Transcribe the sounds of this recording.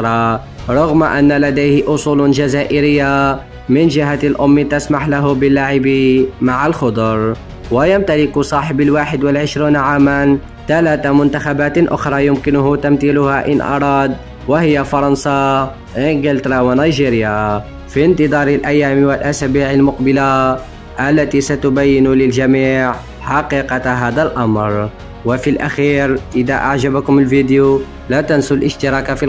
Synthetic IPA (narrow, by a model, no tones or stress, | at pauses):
ɾˤɑ | ɾˤɑɣmaʔanːalad̪ajhɪʔʊsˤuːld͡ʒazaːʔɪɾɪjːa | mɪnd͡ʒɪɦalʔʊmːt̪asmaħlaɦʊbɪlːaʕɪbimaʕalxʊd̪ˤɾˤ | wɪjamt̪alɪksˤɑːħɪbalwaːħɪd̪wɪlʕɪʃɾiːnʕaːman | t̪alaːt̪amʊnt̪axabaːt̪ʔʊxɾˤɑːjʊmkɪnʊɦʊt̪amt̪iːlʊhaʔɪ̰nʔɑ̰ɾˤɑːd̪ | wɪhɪjːafɑɾˤɑnsɑ | ʔɪŋɡɪlt̪ɾˤɑwanajʒiːɾja | fint̪ɨd̪ˤɑːɾˤɪlʔajːaːmwɪlʔasaːbiːʕalmʊqbɪla | ʔalːat̪isat̪ʊbajːɪnulɪlʒamiːʕ | ħɑqiːqɑɦaːd̪alʔamɾ | wɪfilʔaxiːɾʔɪd̪a̰ʔa̰ʕʒabakʊmɪlvid̪ju | lat̪ansʊlʔɪʃt̪ɪɾˤɑːkafi